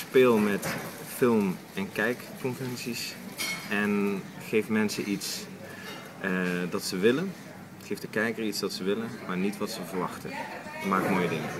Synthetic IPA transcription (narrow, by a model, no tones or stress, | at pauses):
speːlˠmɛt | fɪlˠm | ɛnkɛjkːɔnvərɛnsis | ɛn | χejfmɛnsəʔits | dɑtsəʋɪlən | χejvdəkɛjkəritsdɑtsəʋɪlənmaːɹnitʋɑtsəvəɹʋɑ̰χtə̰maːk̚moːjədɪŋə̰